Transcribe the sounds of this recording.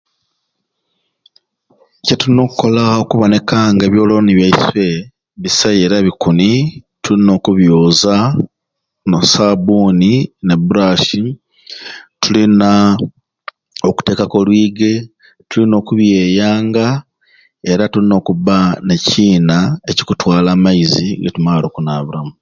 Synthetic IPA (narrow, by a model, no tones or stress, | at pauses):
cetuino̞ːkukːo̞lao̞kuβo̞ne̞kaŋɡe̞ːβjo̞ːlo̞niβjaiswe̞ | βisaje̞ːɾaβikunitulino̞ːkuβjuːza | nosaβuːnine̞buɾaʃi | tulina | o̞ku̥te̞ːkako̞lwiːɡe̞ | tulino̞ːkuβje̞ːjaːŋɡa | e̞ɾatulino̞ːkuβane̞ciːnae̞ci̥kutwaːlaːmaiziɡḛtumaːlo̞ːkunaːβuɾamu